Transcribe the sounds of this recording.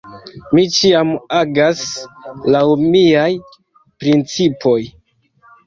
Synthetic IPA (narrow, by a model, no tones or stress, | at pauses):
mit͡ʃiamaɡaslawmiaj | pɾint͡sipʰo̞j